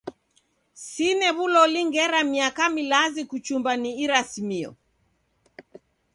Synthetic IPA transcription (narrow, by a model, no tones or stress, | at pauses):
sinɛβulɔliŋɡɛɾamiakamilazikut͡ʃumbaniːɾasimiɔ̰